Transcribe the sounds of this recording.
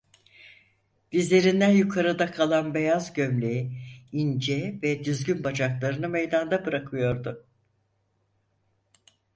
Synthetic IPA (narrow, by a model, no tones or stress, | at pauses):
d̪̥izlʲe̞ɾind̪ænjukʰaɾɯd̪akʰalˠanbe̞jazɟø̞mlʲejiind͡ʒɛvɛd̪yzɟynbad͡ʒaklˠaɾɯnɯmejd̪and̪abɯɾakʰɯjo̞ɾd̪ʊ